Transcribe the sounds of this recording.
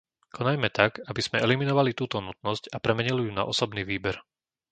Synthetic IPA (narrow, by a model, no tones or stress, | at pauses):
kʰɔnajmɛt̪akabiz̥mɛʔɛliminɔʋalit̪uːt̪ɔnut̪nɔscapɾɛmɛɲilijuna̰ʔɔsɔbniːʋiːbɛɾ